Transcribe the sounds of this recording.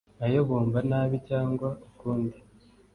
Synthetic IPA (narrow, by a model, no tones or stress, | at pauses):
ajoβoːmbanaːβicaːŋɡwaukuːndi